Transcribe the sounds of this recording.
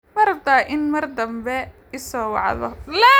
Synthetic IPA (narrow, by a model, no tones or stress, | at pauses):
mɐɾɐbd̪aːʔɪnmɐrd̪ɐmbɛ | ɪsɔːwɑ̰ʕðɔ̰lɛ